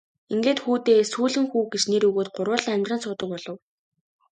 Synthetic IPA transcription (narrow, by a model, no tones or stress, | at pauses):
iŋɡeːt̪xuːt̪eːsuːɮɘ̆ŋxuːɡet͡ɕneɾɵɣoːt̪̚ɢʊrwə̆ːɮ̆ŋæmʲt̪răːnsʊːt̪ə̆k̚pɔɮɞ̆w